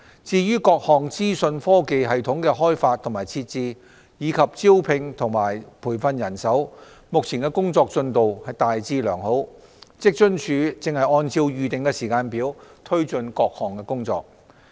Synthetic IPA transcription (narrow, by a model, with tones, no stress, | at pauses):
t͡siː˨˧jyː˥kɔː˧k̚hɔː˨ŋt͡siː˥sɵ˧nfɔː˥ke˧jɦɐ˨jt̪ʰʊ˨˥ŋkɛː˧ɦɔː˥jfaː˧t̪ʰŋmaː˨˩jt͡sʰiː˧t̚t͡siː˧ | jiː˨˧kʰɐ˨p̚t͡siː˥wpʰɪ˧ŋt̪ʰʊ˨˩ŋmaː˨˩jpʰuː˨˩jfɐ˧njɐ˨˩nsɐ˨˥w | mʊ˨k̚t͡sʰiː˨˩nkɛː˧˥kʊ˥ŋt͡sɔː˧k̚t͡sɵ˧nt̪o˨whɐ˨jt̪aː˨jt͡siː˧lœː˨˩ŋho˨˥w | t͡sɪ˥k̚t͡ʃɵ˥nt͡ʃʰyː˨˧t͡sɪ˨ŋhɐ˨jɔː˧nt͡siː˧wjyː˨˧t̪ɪ˨ŋkɛː˧siː˨˩kaː˧npiː˨˥wt̪ʰɵ˥ɥt͡sɵ˧nkɔː˧k̚hɔː˨˩ŋkɛː˧kʊ˥ŋt͡sɔ̰ː˧k̚